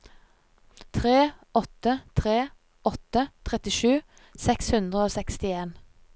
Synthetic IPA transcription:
t̪ʰʁeːɔt̪ət̪ʰʁeː | ʔɔt̪ət̪ʰʁɛt̪ɪʃʉː | sɛkshʉnd̪ʁəoːsɛkst̪ɪeːn

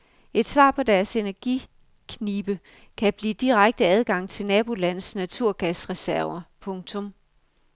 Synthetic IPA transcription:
e̝d̥sʋɑ̰̈ːpʰɒ̽d̥æɐse̝næɐɡ̥ḭ | kʰniːb̥ə | kʰæb̥liːd̥iʁaɡ̥̚d̥əæð̞ˠɡ̥ɑ̈ŋ̰t͡sʰe̝lnɛːb̥o̝læn̰snæt͡sʰuɐ̰ɡ̥æsʁɛsæɐɐpʰɔ̽ŋt͡sʰɔ̽m

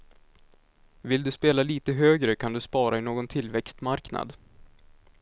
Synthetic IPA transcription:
vɪld̪ɵspeːlaliːt̪əɦøːɡɾəkʰand̪ɵspɑːɾaɪnoːɡɔnt̪ʰɪlvɛkst̪maɾkna̰d̪

